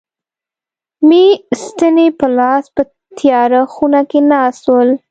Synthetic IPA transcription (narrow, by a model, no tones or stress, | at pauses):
mist̪ənepəlɑspə | t̪ʰjɑɾaxunakenɑswəl